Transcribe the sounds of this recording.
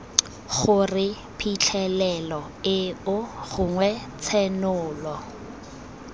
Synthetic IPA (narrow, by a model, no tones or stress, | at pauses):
χʊrɪ | pʰit͡ɬʰɛlɛlɔ | ɪʊχʊŋwɛt͡sʰɛnʊːlɔ